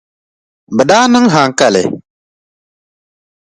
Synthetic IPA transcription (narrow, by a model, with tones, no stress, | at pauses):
bə˨ɗa˦nɨ˦ŋɦa˨ŋ˨ka˦˨lɪ̰˨